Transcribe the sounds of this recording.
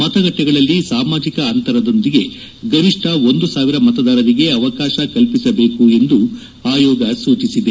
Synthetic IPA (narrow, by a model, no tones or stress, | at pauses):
mɐt̪ɐɡɐʈːɛɡɐɭɐlːisaːmaːd͡ʒikɐːnt̪ɐɾɐd̪o̞nd̪iɡe̞ | ɡɐɾiʂʈʰɐo̞nd̪usaːʋiɾɐmɐt̪ɐd̪aːɾɐɾiɡe̞ɐʋɐkaːʃɐkɐlpisɐbe̞ːkue̞nd̪u | aːjɔːɡɐsuːt͡ʃisid̪e